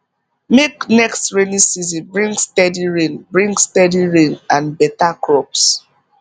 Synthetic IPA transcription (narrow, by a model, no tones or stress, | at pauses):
meknɛkstɹenisizĩbɹĩŋɡstɛdiɹẽnbɹĩŋɡstɛdiɹẽnãnbɛtakɹɔps